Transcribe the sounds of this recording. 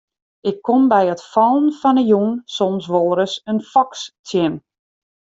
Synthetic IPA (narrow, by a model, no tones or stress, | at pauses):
ʔɪkʰːombɛjətfɔlˠənfɔnəjuŋnsɔnsʋoːɾəsənfɔkstʰjɪm